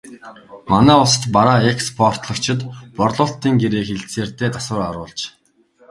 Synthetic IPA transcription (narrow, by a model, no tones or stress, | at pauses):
manæːʊsə̥̆t̪paɾaːekspʰɔr̥t̪ɮə̆kt͡ɕʰɪ̆t̪pɔrɮʊːɬt̪iːŋɡeɾeːxeɮt͡seːrt̪eːt̪asə̆ɾaɾʊːɮt͡ɕ